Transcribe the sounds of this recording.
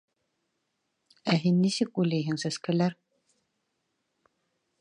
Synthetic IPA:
æɦinːisɘkulæjɦɘŋsæskælæɾ

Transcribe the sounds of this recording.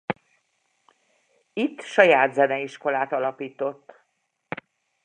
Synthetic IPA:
it̪ːʃɒjaːd̪zɛnɛiʃko̞laːt̪ɒlɒpiːt̪o̞t̪ː

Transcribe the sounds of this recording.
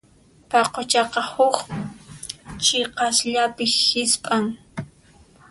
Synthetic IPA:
pɑqot͡ʃɑqɑhʊx | t͡ʃeqɑsʎapɪhɪspʼaŋ

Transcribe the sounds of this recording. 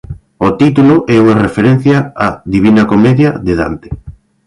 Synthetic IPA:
ot̪it̪ulʊʔɛuɐrefeɾɛ̃n̟θjaaðiβ̞inɐkomɛðjɐðeða̰nt̪e̥

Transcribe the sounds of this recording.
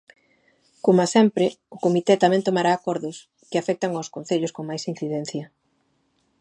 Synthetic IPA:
komasɛmpɾɪʊkomit̪ɛt̪amɛ̃nt̪omaɾaːkɔɾðʊs | kɪafɛk̚t̪aŋawskon̟θeʎʊskoŋmajsin̟θiðɛn̟θjɐ

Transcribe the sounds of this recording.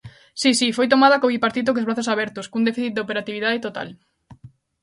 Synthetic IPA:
sisifojt̪omað̞ɐkoβipaɾt̪it̪̬ok̬ozβɾaθosaβɛɾt̪oskuŋnd̪efiθit̪̚d̪opeɾat̪iβ̞iðaðet̪ot̪a̰l

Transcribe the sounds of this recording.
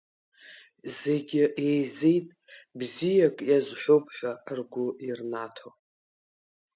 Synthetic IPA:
ze̞ɡʲɪejze̞jtʼ | bzijakʼjazħʷopʰʼħʷᶣarɡʷʊirnatʰow

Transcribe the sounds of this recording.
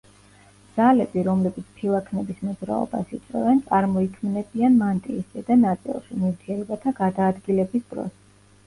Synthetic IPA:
d̪z̥alɛbiɾɔmlɛbit̪sʰpʰilˠakʰnɛbismɔzɾa̰ɔ̰ba̰sit̪sʼwɛ̰vɛnt̪sʼaɾmɔikʰmnɛbianmant̪ʼiːsad̪anat̪sʼḭlˠʃinivɾt̪ʰiɛlɔbat̪ʰaɡad̪aːd̪ɡilɛbisbɾɔ̰s

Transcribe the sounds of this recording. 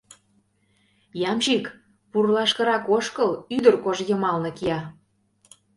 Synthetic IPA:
jɑmʒik | purlɑʃkɤ̆ɾɑkoʃkɤlyd̪ərkoʒjə̆mɑlnɤ̆kiɑ

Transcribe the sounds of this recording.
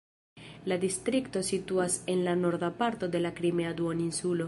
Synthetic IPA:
ladistɾikto̞situase̞nlano̞ɾd̪apaɾto̞de̞lakɾimeaduoninsulo̞

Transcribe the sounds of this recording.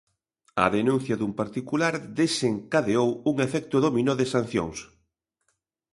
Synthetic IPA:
ɐ̰ðenũn̟θjɐðumpaɾt̪ikulaɾd̪eseŋkaðeowuŋefɛk̚t̪oðominoðɪsan̟θjo̰ŋs

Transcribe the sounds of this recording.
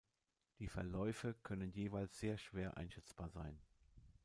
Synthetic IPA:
d̥iːfɛɐlɔʏfəkʰœnənjeːvaɪlsz̥eːɐʃv̥eːɐʔa̰ɪnʃɛt͡sb̥aːɐzaɪn

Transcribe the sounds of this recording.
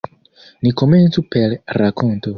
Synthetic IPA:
nikʰɔmɛntupʰɛlɛɾakʰɔnt̪ɔ

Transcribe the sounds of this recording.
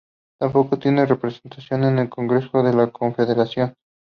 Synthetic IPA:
t̪ampo̞ko̞t̪je̞ne̞re̞pɾese̞nt̪asjo̞ne̞ne̞lko̞ŋɡɾe̞so̞ðe̞lakʰo̞ɱfe̞ðe̞ɾasjo̞n

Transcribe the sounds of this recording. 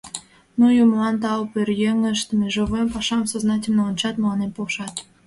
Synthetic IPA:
nujumlɑnt̪ɑopørjeŋəʃt̪əmeʒoβempɑʃɑmsoznɑtʲəlnoont͡ɕɑt̪məlɑnempolʃɑt̪

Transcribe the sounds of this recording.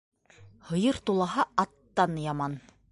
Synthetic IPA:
hɤ̆jɤɾt̪ulˠɑɦɑɑt̪ːɑnjɑmɑn

